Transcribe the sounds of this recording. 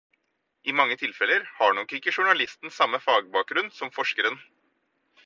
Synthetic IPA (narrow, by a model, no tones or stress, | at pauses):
ʔɪmɑŋːət̪ʰɪlfɛləɾhɑɳɔkːɪkːəʂʊɳɑlɪst̪n̩sɑmːəfɑːɡbɑːk̚ɡɾʉnsɔmfɔʂkəɾən